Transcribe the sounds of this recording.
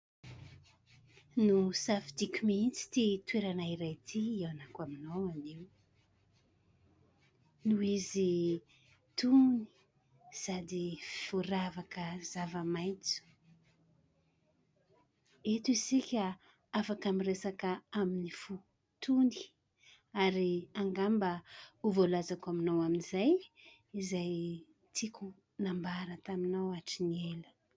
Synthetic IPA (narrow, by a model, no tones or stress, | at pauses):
nusafid̪ikʲumint͡si̥t̪it̪weɾanaiɾajt̪ʰiewanakaminoaniw | nuizi | t̪uni̥ | zad̪iiv̥uɾavakəzavəmajnt͡su̥ | et̪uisikʲa | afakamiresakəaminifu | t̪uni̥ | aɾiaŋɡambəuvolazakaminawaminizaj | izaj | t̪ʰikʲu | nambaɾət̪aminawaʈ͡ʂinelə̥